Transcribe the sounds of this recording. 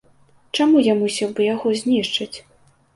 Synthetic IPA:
t͡ʂamujamusʲɛwbɨjaɣɔzʲnʲiʂt͡ʂɐt͡sʲ

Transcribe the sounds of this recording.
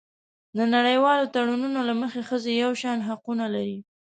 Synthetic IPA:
d̪ənaɽəjwɑlot̪aɽununolaməxexəzejawʃɑnɦaqunalaɾi

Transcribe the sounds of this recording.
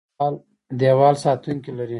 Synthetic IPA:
l | d̪ewɑlsɑt̪uŋkilaɾi

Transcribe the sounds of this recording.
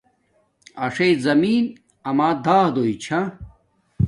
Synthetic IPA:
ɐʂezɐmiːn | ɐmaːd̪aːd̪oit͡ɕʰa

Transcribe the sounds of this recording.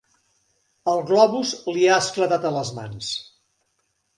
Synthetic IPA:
əlˠɣlɔβuzliaəskləðat̪ələzma̰ns

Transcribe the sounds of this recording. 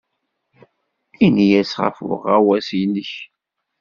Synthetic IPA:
injæsʁa̰fʊ̰ʁæwæsinəç

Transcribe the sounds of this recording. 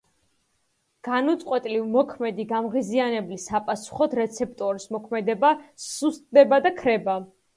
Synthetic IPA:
ɡ̥anut̪sʼqʼwɛt̪ʼlivmɔkʰmɛd̪iɡamʁizianɛblisapʼasu̥χɔd̪ɾɛt̪sʰɛp̚ʰt̪ʼɔɾismɔkʰmɛd̪ɛbasust̪ʼd̪ɛbad̪akʰɾɛba

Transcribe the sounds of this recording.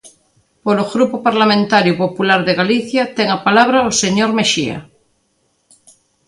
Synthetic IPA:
poloɣɾupopaɾlamẽnt̪aɾjupopulaɾðeɣaliθjat̪eŋapalaβ̞ɾaoseɲoɾmeʃia̰

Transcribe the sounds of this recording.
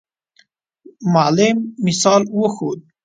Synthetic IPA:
malemːisɑlwoxod̪̚

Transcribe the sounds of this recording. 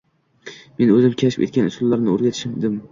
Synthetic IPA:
me̞nɵzɪmkʲʰaʃɪpet̪̚kʲanʊsʊlːaɾnɪoɾɡʲat̪ʰɪ̥ʃɪmd̪ɪm

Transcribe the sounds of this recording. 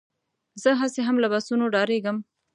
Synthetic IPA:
zəɦaseɦamlabasunoɖɑɾeɡəm

